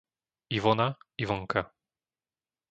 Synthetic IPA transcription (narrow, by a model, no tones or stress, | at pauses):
ivɔnaivɔŋka